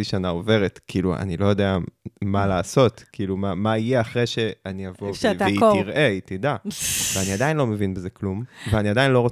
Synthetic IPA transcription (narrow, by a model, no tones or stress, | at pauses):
iʃanaove̞ʁetkʰiːluʔa̰nilo̞jo̞deamalaːso̞tkiːlumamaijeaχʁejʃe̞anijavoʃviʁʔeitidaveaniadajinlomevinbezeklumveaniadajinlo̞ʁo